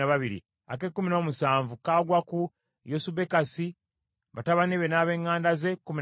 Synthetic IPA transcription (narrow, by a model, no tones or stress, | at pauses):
aβaβiɾḭ | ake̞kːumino̞ːmusaːɱvukaːɡwaku | josube̞kasi | βataβaniβenaːβe̞ŋːaːndaze̞kːumi